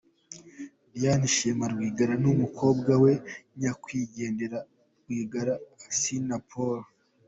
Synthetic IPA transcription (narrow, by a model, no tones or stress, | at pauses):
janiʃemaɾɡwiːɡaɾanumuko̞ːbɡawe̞ɲakwiːɟe̞ːnde̞ɾa | ɾɡwiːɡaɾaːsinapʰoɾ